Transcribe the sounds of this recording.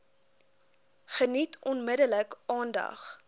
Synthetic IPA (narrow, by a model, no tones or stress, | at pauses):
χənitʰɔnmədələkʔɑːndɐ̰χ